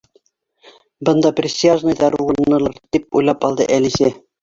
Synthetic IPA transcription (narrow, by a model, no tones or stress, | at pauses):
bɤ̆nd̪ɑprʲɪsʲiaʒnɤjd̪ɑɾuwŭnɤ̆lˠɤɾt̪ip̚ṵjlˠɑpɑlˠd̪ɤ̰ʔælisæ